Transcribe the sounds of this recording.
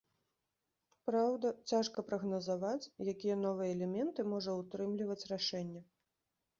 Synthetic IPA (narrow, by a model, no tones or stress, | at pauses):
pɾawd̪ɐt͡sʲaʂkɐpɾɐɣnɐzavat͡sʲjakʲijɐnɔvɨjɛːlʲɛmʲɛnt̪ɨmɔʐɐut̪ɾɨmlʲivɐt͡sʲraʂɛnʲːɛ